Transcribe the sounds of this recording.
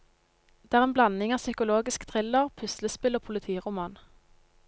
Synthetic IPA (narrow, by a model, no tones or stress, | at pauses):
d̪̥eːæʁeːnblɑnɪŋɑːsʏkʊloːɡɪskt̪ʰʁɪləʁpʰʉsləspɪloːpʰʊlɪt̪ʰiːʁʊmɑːn